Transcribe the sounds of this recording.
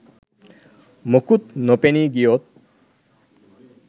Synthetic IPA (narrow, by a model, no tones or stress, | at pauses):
mokut̪̚nopeniɡijot̪̚